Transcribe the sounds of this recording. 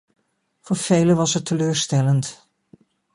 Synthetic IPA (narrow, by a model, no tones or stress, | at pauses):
voːɹv̥ejləʋɑsɛtəløːɹstɛlənt